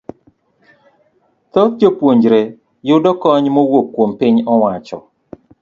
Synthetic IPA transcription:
t̪ɔt̪̚d͡ʒopwoɲd͡ʒɾe | jʊdɔkɔɲmowokːwompɪɲɔwat͡ʃɔ

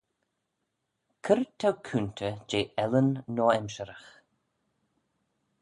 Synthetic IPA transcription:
kʰəɾt̪ʰawkʰunt̪ʰəd͡ʒeːʔɛlənːɔːɛmʃəɾəx

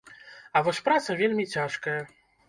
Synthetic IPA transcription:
ɐvɔsʲpɾat̪sɐvʲelʲmʲit͡sʲaʂkɐjɐ

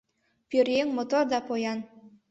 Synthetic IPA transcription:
pʲøɾeŋmot̪ord̪ɑpojɑn

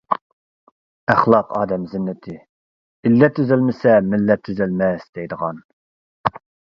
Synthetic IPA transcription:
æχlˠɑqʰɑ̰ːd̪ɛmzɪnːɪt̪ʰɪ | ilːɛt̪ʰːøzɛlmɪsɛmɪlːɛt̪ʰːøzɛlmɛsd̪ɛjd̪əʁɑn

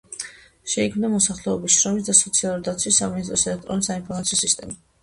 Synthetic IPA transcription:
ʃɛikʰmnamɔsaχlɛɔbisʃɾɔmisd̪asɔt̪sʰialˠuɾid̪at̪sʰwisːaminis̬t̪ʼɾɔsɛlɛk̚t̪ʼɾɔnisainpʰɔɾmat̪sʰiɔsist̪ʼɛma

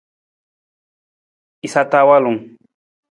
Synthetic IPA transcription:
ɪsat̪aːwalʊŋ

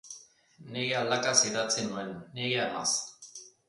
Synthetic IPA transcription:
neɣeald̪akasiðat͡senuenːeɣeaɣa̰s

